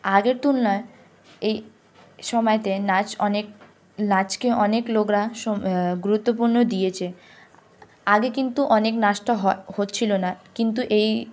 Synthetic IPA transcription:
aɡeɾt̪unnɔe | ej | ʃɔmɔet̪enat͡ɕɔnek̚ | nat͡ɕkeʔɔneklokɾaʃɔɡuɾut̪ːopuɾnod̪ijet͡ɕʰe | aɡekint̪uʔɔneknaʃʈoɦɔhotːɕʰilonakint̪̬uʔej

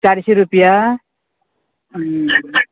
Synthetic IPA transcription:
t͡saɾiseɾupja

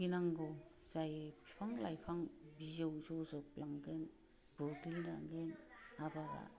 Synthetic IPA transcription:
ɡinaŋɡɯw | z̥ajepʰpʰaŋla̰jpʰaŋbizewzɔzɔplaŋɡen | bɔɡilna̰ŋɡenabaɡa̰

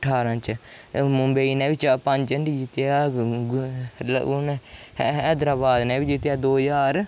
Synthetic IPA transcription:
əʈʰaːɾãːt͡ʃmʊmbəiːnɛ̃ːʋɪt͡ʃːpəɲd͡ʒəɳɖid͡ʒɪt̪jaː | nː | d̪ɾaːbaːd̪nɛːʋid͡ʒɪt̪jaːd̪oːjaːɾ

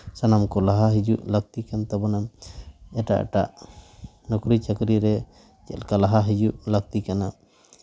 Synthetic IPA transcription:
sanamkɔlaɦaɦid͡ʒuʔlak̚t̪ikant̪abanamɛʈa̰ʔʈa̰ʔ | nɔkɾit͡ʃakɾiɾɛ | d͡ʒɛ̰lkalaɦaɦid͡ʒuʔlak̚t̪ikana

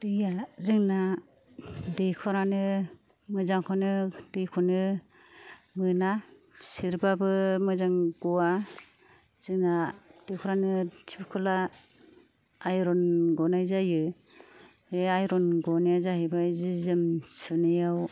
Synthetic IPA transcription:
d̥ɯjazɯŋna | dejkʰɔɾanɯ | mɯzaŋkʰɔnɯdɯjkʰɔnɯ | mɯnasiɾbabɯmɯzaŋɡuwa | z̥ɯŋnad̥ɯjkʰɔɾanɯtʰibikʰɔla | jɾɔnɡɔnajzajɯ | eajɾɔnɡɔnijazaɦebazizɯmsɯnɯjaw

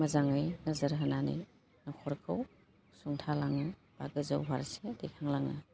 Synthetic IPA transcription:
mɐzaŋɯjnɐzɐɾɦɐnanḭj | nɔkʰɔɾkʰɯw | suŋtʰalaŋɯ | b̥aɡɯzawɦaɾsedikʰaŋlaŋɯ̰

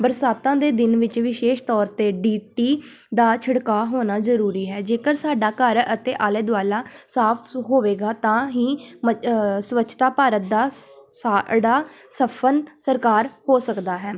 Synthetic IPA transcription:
bəɾsaːt̪ãːd̪eːd̪ɪnʋɪt͡ʃʋɪʃeːʃt̪ɔːɾt̪eːɖiːʈiːd̪aːt͡ʃʰəɽkaːɦoːnaːzəɾuːɾiːɦɛːd͡ʒeːkəɾsaːɖaːkəɾət̪eːʔaːleːd̪ʊaːlaːsaːpʰɦoːʋeːɡaːt̪ãːɦĩːməsəʋəːt͡ʃʰt̪aːpaːɾət̪̚d̪aːsaːɽaːsəpʰənsəɾkaːɾhoːsəkd̪aːɦɛː

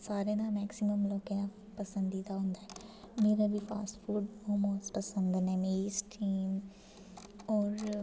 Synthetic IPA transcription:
saːɾenamɛːksiməmloːkenã | pəsə̃nd̪it̪aɦʊ̃nd̪aːɛ | meːɾabʱipʰa̰ːsʈpʰuːɖhoːmoːspəsənd̪nɛ̃ːmeːisʈʰiːm | ɔːɾ

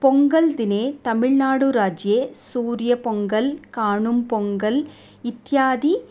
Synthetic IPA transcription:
pɔŋɡɐld̪ɪneːt̪ɐmɪɭnaːɽuɾaːd͡ʒjesuːɾɪjɐpɔŋɡɐlkaːɳɯmpɔŋɡɐl | ɪt̪jaːd̪i

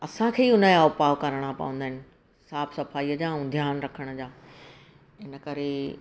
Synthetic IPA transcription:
ɐsãkʰeːiʊnəaːʊpaːʋkɐɾəɽ̃apɐ̰ʋə̃nd̪aɦɪnɪ̆ | saːbsɐfaːijəd͡ʑãd̪ʱjaːnɾɐkʰəɽ̃ə̆d͡ʑaː | ɪnəkɐɾe

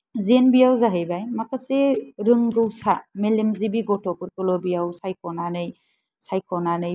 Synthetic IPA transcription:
zenbijawzaɦɯjbajmakaseɾɯŋɡɯwsamelemzibiɡɔtʰɔpɯɾkɔlɔbijawsajkʰɔnanɯj | sajkʰɔnanɯj

